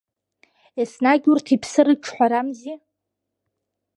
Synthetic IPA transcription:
esnaɡʲurtʰipʰsɨrɨʈ͡ʂʰħʷaɾamzi

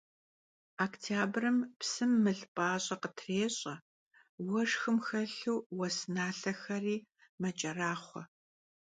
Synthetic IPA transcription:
aktʰaːbrɨmpsɨmːɨɮpʼaːɕʼɐqətʰreːɕʼɐ | wɐʂxɨmxɐɬuːwɐsnaːɬɐxɐriːmɐt͡ʃʼɐraːχʷɔ̰

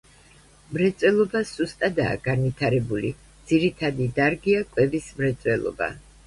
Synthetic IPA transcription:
mɾɛt̪sʼwɛlˠɔbasust̪ʼad̪a̰ːɡanvit̪ʰaɾɛbuli | d̪z̥iɾit̪ʰad̪id̪aɾɡiakʼwɛbismɾɛt̪sʼwɛlˠɔ̰ba̰

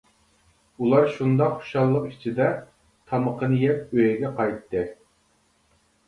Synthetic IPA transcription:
ulˠɑɾʃund̪ɑqχo̥ʃɑlˠːəqi̥t͡ʃʰid̪ɛ | t̪ʰɑməqʰənɨjɛp̪̚øjɛɡʲɛqʰɑjt̪ːɨ

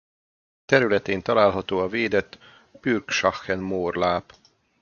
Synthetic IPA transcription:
t̪ɛɾylɛt̪eːnt̪ɒlaːlɦɒt̪oːɒveːd̪ɛt̪ː | pyrkʃɒxɛnmoːrlaːp

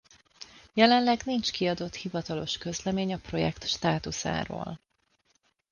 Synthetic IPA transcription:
jɛlɛnlɛɡnint͡ʃkiɒd̪o̞t̪hivɒt̪ɒlo̞ʃkø̞zlɛmeːɲɒpro̞jɛ̰kt̪ʃt̪aːt̪usa̰ːɾo̰ːl

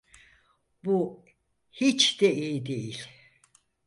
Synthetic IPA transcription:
bu | hit͡ʃd̪ɛʔijd̪ejilʲ

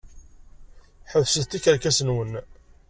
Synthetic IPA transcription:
ħəvsəðt̪ːikəɾkæsənwən

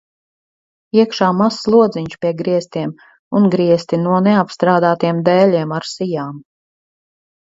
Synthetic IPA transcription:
iɛkʃaːmasːlˠuɔd̪ziɲʃpʲiɛɡɾiɛst̪iɛm | unɡɾiɛst̪inuɔneapst̪ɾaːd̪aːt̪iɛmd̪ɛːlʲiɛmaɾsijaːm

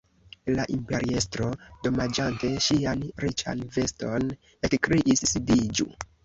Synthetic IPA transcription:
laʔimpe̞ɾiestɾo̞do̞mad͡ʒante̞ʃianɾit͡ʃa̰nve̞sto̞n | ekkɾiʔisːidid͡ʒṵ

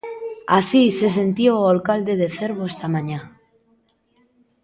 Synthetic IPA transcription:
asise̞s̬e̞nt̪ioalkald̪eðeθeɾβoest̪amãɲa

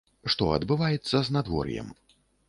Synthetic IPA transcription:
ʂt̪ɔɐ̰d̪bɨvajɛt̪sːɐznad̪vɔ̰rjɛ̰m

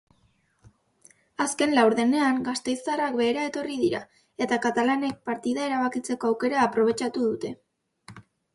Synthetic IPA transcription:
aske̞nlawɾðe̞ne̞aŋɡast̪e̞jsarak̚be̞ːɾae̞t̪o̞riðiɾa̰ | e̞t̪akat̪alane̞k̚paɾt̪iðae̞ɾaβakit͡se̞ko̞awke̞ɾaːpɾo̞βe̞t͡ʃat̪uðut̪e̞

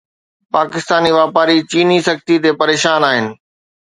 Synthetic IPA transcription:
paːkɪst̪aːniʋaːpaːɾit͡ɕiːnisɐkt̪it̪epɐɾeːʃaːnaːɦɪnɪ̆

